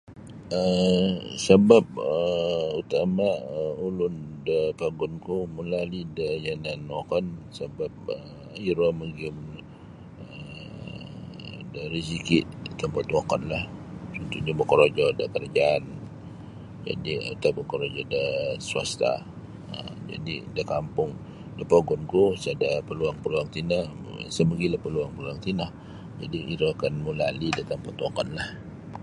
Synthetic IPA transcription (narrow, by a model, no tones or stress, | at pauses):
ə | səbap̚əut̪amaəulʊndəpaɡɔnkuməlalidajananɔkɔnsəbap̚ə | iɾɔməɡiəm | ə | daɾis̬ikiʔt̪əmpat̪wakɔnlah | sunt̪ud͡ʒubəkɔɾod͡ʒɔdəkərad͡ʒaːn | d͡ʒa̰diə̰t̪abəkɔɾod͡ʒɔdəsua̰st̪a̰ | ə̰md͡ʒa̰didakampʊŋ | dapaɡɔnkosadapəluaŋpəluaŋt̪ina̰ | səməɡilahpəluaŋpəluaŋt̪inah | d͡ʒa̰diiɾoakanmulalidat̪əmpat̪akanlah